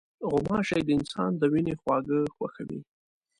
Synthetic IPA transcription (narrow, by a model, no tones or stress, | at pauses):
ɣʊmɑʃɑjd̪əɪnsɑ̰nd̪əwinexwɑɡəxwaxawḭ